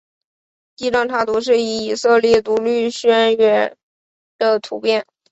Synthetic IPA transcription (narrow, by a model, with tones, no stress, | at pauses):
t̪i˥ʈ͡ʂɑ˥˩ŋʈ͡ʂ̪ʰa˥˩t̪u˧˥ʂ̬ɻ̩˥˩i˧˥i˨˩sɤ˥˧ljɛ˥˩t̪u˧˥ly˥˩ɕnɥɛ˧˥n | d̪̥ə˧t̪ʰu˧˥pjɛ˥˩n